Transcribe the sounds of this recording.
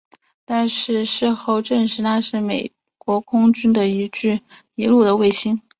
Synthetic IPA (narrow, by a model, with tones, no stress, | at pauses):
t̪a˥˧nʂɻ̩˥˧ʂɻ̩˥˧xo˥˧ʊʈ͡ʂə˥˩nʂɻ̩˧˥na˥˧ʂɻ̩˥˩me˨˩ɪ | kwɔ˧˥kʰʊ˥ŋt͡ɕy˥nd̪ə˨i˧˥ʈ͡ʂɻ̩˥˩ | i˧˥lu˥˩d̪ə˩we˥˩ɪɕi˥n